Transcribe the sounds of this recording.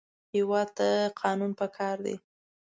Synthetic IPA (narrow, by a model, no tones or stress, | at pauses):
hɪwɑd̪̚t̪əqʰɑnunpəkʰɑɾd̪ḛ